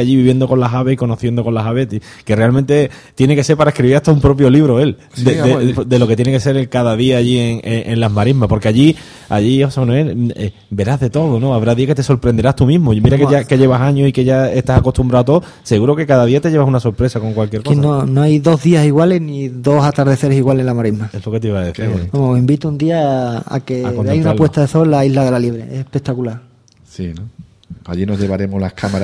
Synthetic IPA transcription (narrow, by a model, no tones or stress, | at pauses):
aʎiβiβje̞nd̪o̞ko̞nlaɦaβe̞hiko̞no̞θjend̪o̞ko̞nlasaβet̪ | ke̞re̞almẽnt̪e̞ | t̪je̞neke̞se̞ɾpaɾaekɾiβiɾaht̪aumpɾo̞p̬jo̞liβ̞ɾoe̞l | d̪eed̪e̞lo̞ke̞t̪jenekese̞ɾelkaðaðiaːʎieŋeʔenlaɦmaɾiɦmapo̞ɾke̞aʝi | a̰ʝihosamanũe̞le | be̞ɾaɦðe̞t̪o̞ðono̞aβɾaðiaket̪e̞so̞ɾpɾend̪e̞ɾaht̪umĩɦmomiɾakeʝake̞ʝe̞βasaɲosike̞ʝaeht̪asako̞t̪umbɾaot̪o | se̞ɣuɾoke̞kaðaðiat̪e̞ʝe̞βasunaso̞ɾpɾe̞sako̞ŋkwalk̬jeɾkosnonoajðo̞ɦðiasiɣwaleniðo̞sat̪aɾðe̞θe̞ɾesiɣwalenlamaɾimaeslo̞ke̞t̪iβaðeθibamoosimbit̪und̪iaa̰keaoβeajunapwe̞t̪aðeθo̞lːaiɦlaðe̞lalje̞βɾeesehpe̞k̚t̪akulaɾ | sino | a̰ʎinozʎe̞βaɾe̞molahkʰamaɾa